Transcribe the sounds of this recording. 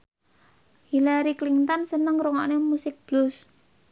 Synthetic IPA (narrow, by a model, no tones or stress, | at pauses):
hilaɾikliŋt̪ɔnsənəŋɾuŋɔ̰ʔnemusɪk̚b̥lʊs